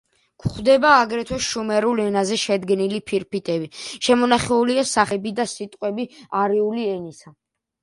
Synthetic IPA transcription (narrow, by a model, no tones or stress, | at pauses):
kʰχd̪ɛbaːɡɾɛt̪ʰwɛʃumɛɾulɛnazɛʃɛd̪ɡnilipʰiɾpit̪ʼɛbiʃɛmɔnaχɛuliasaχɛbid̪asit̪ʼqʼwɛbiaɾiuliɛnisa